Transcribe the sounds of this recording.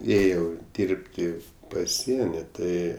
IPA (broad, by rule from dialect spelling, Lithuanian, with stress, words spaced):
ˈeːjɛʊ ˈdʲiːrʲpʲtʲɪ pɐˈsʲiɛnʲɪ ˈtɐɪ